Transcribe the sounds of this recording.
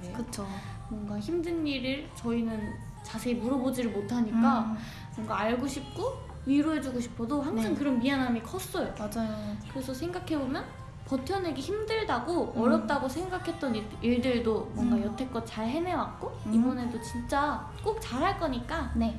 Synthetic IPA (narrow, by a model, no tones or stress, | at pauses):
kɯt͡ɕʰo | mwʌŋɡaçimdɯnːiɾɯɭt͡ɕʌinɯn | t͡ɕasʰe̞imuɾʌbod͡ʑidɯɭmotʰaɲik͈a | mwʌŋɡaːɭɡoɕʰip̚k͈o | ɥiɾoɦe̞d͡ʑuɡoɕʰi̥pʰodoɦaŋsʰaŋkɯɾʌnpianɦamikʰʌs͈ʌjomad͡ʑajokɯɾe̞sʰʌsʰe̞ŋɡakʰe̞bomjʌn | pʌtʰjʌneɡiçimdɯɭdaɡoʌɾjʌp̚t͈aɡosʰe̞ŋɡakʰe̞t̚t͈ʌni | iɭdɯɭdomwʌŋɡajʌtʰe̞k͈ʌt̚t͡ɕaɭɦe̞me̞wak̚k͈oibʌne̞dot͡ɕint͡ɕ͈a | k͈ok̚t͡ɕaɾɦaɭk͈ʌɲik͈ane